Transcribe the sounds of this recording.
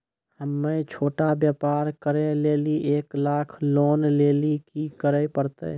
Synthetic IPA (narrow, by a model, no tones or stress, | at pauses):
həmːet͡ʃʰoːʈabjəpaɾkəɾeleːliʔeːklaːkʰloːnleːlikikəɾəpəɾt̪ə̰